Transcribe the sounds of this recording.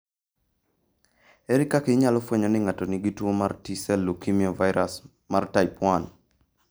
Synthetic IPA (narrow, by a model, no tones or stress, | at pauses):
eɾikakeɲalɔfweɲɔnɪŋatɔniɡitwomartisɛlːukimiɔvaɪɾas | martaɪpwan